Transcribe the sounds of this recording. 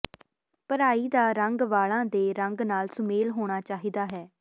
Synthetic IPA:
pəɾaːiːd̪aːɾəŋɡʋaːɭãːd̪eːɾəŋɡnaːlsʊmeːlɦoːɽ̃aːt͡ʃaːɦiːd̪aːɦɛː

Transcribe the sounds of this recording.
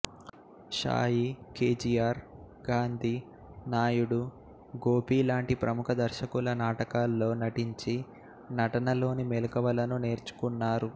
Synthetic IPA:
ʃa̰ːjike̞ːd͡ʒijaːɾ | ɡaːnd̪ʱi | naːjuɽu | ɡo̞ːpiːlaːɳʈipɾɐmukʰɐd̪ɐɾʃɐkulɐnaːʈɐkaːlːo̞ːnɐʈiɲt͡ʃi | nɐʈɐnɐlo̞ːnimelukɐʋɐlɐnune̞ːɾt͡ʃu̥kunːaːɾu

